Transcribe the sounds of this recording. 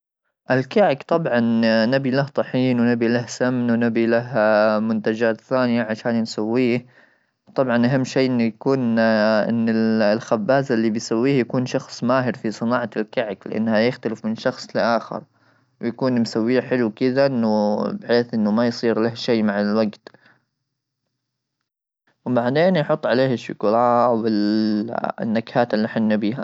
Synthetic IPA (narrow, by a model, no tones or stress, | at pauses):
ʔɪlkaʕɪkt̪ˤɑbʕɑnːabilaht̪ˤɑħiːnwnabilahsamnwnabilaɦmʊnt̪ad͡ʒaːt̪θaːnɪjaʕaʃaːnnsawːiːh | wt̪ˤɑbʕɑnʔaɦamːʃeːʔɪnːʊjakuːnʔɪ̰nːɪlxabːaːzɪlːibɪjsawːiːhjakuːnʃɑxsˤmaːɦɪɾfisˤɨnɑːʕɑɪlkaʕɪklɪʔa̰nːhajɪxt̪alɪfmɪnʃɑxsˤlɪʔaːxɪ̰ɾ | wjakuːnmsawːiːħɪlukɪd̪aʔɪnːʊbɪħeːθʔɪnːʊmajsˤiːɾlahʃeːmaʕalwaɡt̪ | wbaʕd̪eːnjħʊt̪ˤːʕaleːhɪʃːʊkʊɾɑːwɪl̰ | nːakhaːt̪ɪlːiħanːabiːha